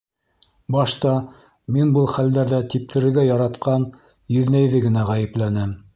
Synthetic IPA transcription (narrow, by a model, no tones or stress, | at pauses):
bɑʃt̪ɑ | minbɤlˠχæld̪æɾðæt̪ip̚t̪ʰɘ̆ɾɘ̆ɾɡæjɑɾɑt̪qɑn | jɵ̆ðnæjðɘɡɘ̆næʁæjɘ̆plænɘm